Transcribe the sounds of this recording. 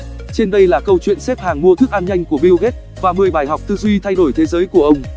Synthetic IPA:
t͡ɕe˧nɗə˧jlaː˨˩kə˧wt͡ɕwḭ˧˨ənse˦˥p̚haː˨˩ŋmu˧ət̪ʰɨ˦˥k̚ʔaː˧mɲa˧jŋ̟ku˧˩əɓi˧wɣe˦˥t̚ | vaː˨˩mɨ˨˩əjɓaː˧˩jɦa˨˩wk͡p̚t̪ɨ˧zwi˧t̪ʰa˧jɗo˧˩jt̪ʰe˨˦zəː˨˦jku˧˩əʔə˧wŋ͡m

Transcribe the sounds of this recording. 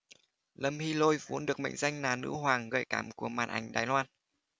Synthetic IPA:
lə˧˩mhi˧lo˧jvṵ˨˦ənɗɨ˨˩ək̚mə̰˧˨jŋza˧jŋ̟naː˨˩nɨ̰˧˥ɦwaː˨˩ŋɣə̰ː˧˩jkaː˧˩mku˧˩əmaː˨˩nʔa˧˩jŋ̟ɗa̰ː˨˩jlwaː˧n

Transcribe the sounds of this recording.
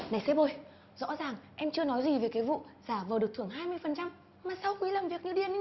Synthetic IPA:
na˨˩jsɛ˧˥ɓo˧˩j | zɔ̰˧˥zaː˨˩ŋʔɛ˧mt͡ɕɨ˧ənɔ˨˦jzi˨˩veː˨˩jkaː˨˦jvṵ˧˨z̥aː˧˩vəː˨˩ɗɨ˨˩ək̪̚ʰɨ˧˩əŋɦaː˧jmɨ˧əjfə˨˩nt͡ɕa˧m | maː˨˩sa˧wxi˨˦laː˨˩mvi˨˩ək̚ɲɨ˧ɗi˨˩ən˨

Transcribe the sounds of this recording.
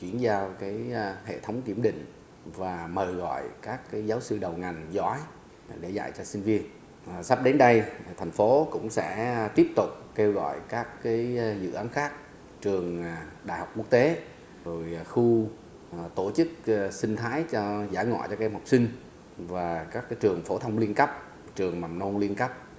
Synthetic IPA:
t͡ɕwi˧˩ənzaː˧wkaː˨˦jhḛ˧˨t̪ʰə˨˦wŋ͡mki˧˩əmɗḭ̈˧˨ŋ̟ | vaː˨˩məː˨˩jɣɔ̰˧˨jkaː˦˥kːaː˨˦jzaː˨˦wsɨ˧ɗə˨˩wŋa˨˩jŋ̟zɔ˨˦j | ɗe˧˩za̰˧˨jt͡ɕɔ˧sï˧ŋ̟vi˧ən | sa˦˥p̚ɗe˨˦nɗə˧jt̪ʰŋ̟fo˨˦kʊ̰˧˥ŋ͡msɛ̰˧˥t̪i˦˥əp̚t̪ʊ˨˩k͡p̚ke˧wɣɔ̰ː˧˨jkaː˦˥kːaː˨˦jzɨ̰˧˨ʔaː˨˦nxaː˦˥k̚ | t͡ɕɨ˨˩əŋ˩ɗaː˧˨jha˨˩wk͡p̚ku˦˥ək̚t̪e˨˦ | zo˨˩jxu˧ | t̪o˧˩t͡ɕɨ˦˥k̚sï˧ŋ̟t̪ʰaː˨˦jt͡ɕɔ˧zaː˧˩ŋɔ̰˧˨jt͡ɕɔ˧kːa˧mha˨˩k͡p̚sï˧ŋ̟ | vaː˨˩kaː˦˥kːaː˨˦jt͡ɕɨ˨˩əŋfo˨˦t̪ʰə˧wŋ͡mli˧ənkə˦˥p̚ | t͡ɕɨ˨˩əŋma˨˩mno˧nli˧ənkə˦˥p̚

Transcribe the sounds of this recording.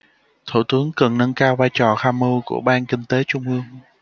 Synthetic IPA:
t̪ʰṵ˧˩t̪ɨ˨˦əŋkə˨˩nnə˧nkaː˧wvaː˧jt͡ɕɔ˨˩xaː˧mə˧kṵ˧˩əɓaː˧nkï˧ŋ̟t̪e˨˦t͡ɕʊ˧ŋ͡mʔɨ˧əŋ

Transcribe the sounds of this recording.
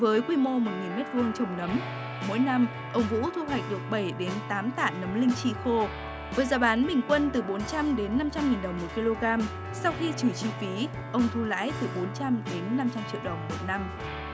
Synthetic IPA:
vəː˨˦jkwi˧mo˧mo˨˩t̚ŋi˨˩nmɛ˦˥t̚vɨ˧əŋt͡ɕə˧˩wŋ͡mnə˨˦m | mo̰˧˥jna˧m | ʔə˧wŋ͡mvṵ˧˥t̪ʰu˧ɦwa˨˩jk̟̚ɗɨ˨˩ək̚ɓə˧˩jɗe˨˦nt̪aː˨˦mt̪a̰ː˧˨nə˨˦mlï˧ŋ̟t͡ɕḭ˧˨xo˧ | vəː˨˦jzaː˧˩ɓaː˨˦nɓï˨˩ŋ̟kwə˧nt̪ɨ˨˩ɓo˨˦nt͡ɕa˧mɗe˨˦nːa˧mt͡ɕa˧mŋi˨˩nɗə˨˩wŋ͡mmo˨˩t̚ki˧lo˧ɣaː˧m | sa˧wxi˧t͡ɕɨ˧˩t͡ɕi˧fi˨˦ | ʔə˧wŋ͡mt̪ʰu˧la̰ː˧˥jt̪ɨ˨˩ɓo˨˦nt͡ɕa˧mɗe˨˦nːa˧mt͡ɕa˧mt͡ɕḭ˧˨əwɗə˨˩wŋ͡mmo˨˩t̚na˧m

